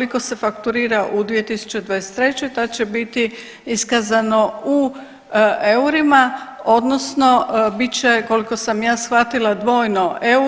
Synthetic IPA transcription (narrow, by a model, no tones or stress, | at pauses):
liko̞se̞fakt̪uɾiːɾaʔud̪ʋie̞t̪isu̥t͡ɕe̞d̪ʋaːjese̥t̪ːɾe̞t͡ɕojt̪ad̪t͡ɕebit̪i | iskazano̞u | euɾimao̞d̪nosno̞bit͡ɕeko̞liko̞samjaːsxʋat̪ilˠad̪ʋo̞ːjnoʔeu